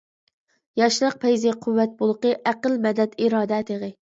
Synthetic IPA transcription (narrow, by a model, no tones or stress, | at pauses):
jɑʃlˠəq̚pʰɛjzɪqʰuwːɛt̪̚bolˠəqəʔæqəlmɛd̪ɛt̪iɾɑːd̪ɛt̪ʰeʁɨ